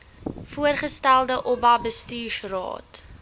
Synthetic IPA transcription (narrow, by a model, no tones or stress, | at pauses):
fuərχəstælˠdəʔɔbɐbəstiːʃrɑ̰ːt